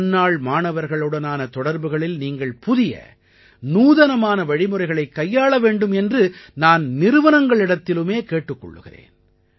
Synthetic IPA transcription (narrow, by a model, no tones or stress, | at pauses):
nːaːɭmaːnɐʋɐɾɣɐɭɯɽɐnaːnɐt̪ɔɽɐɾbɯɣɐɭɪlniːŋɡɐɭpʊðɪjɐ̰ | nuːðɐnɐmaːnɐʋɐɻɪmɯrɐɪɣɐɭɐɪkːɐjːaːɭɐʋeːɳɖɯmɛndrɯnaːnnɪɾɯʋɐnɐŋɡɐɭɪɽɐt̪ːɪlɯmeːkeːʈːɯkːɔ̰ɭːɯ̰ɣɪ̰rḛːn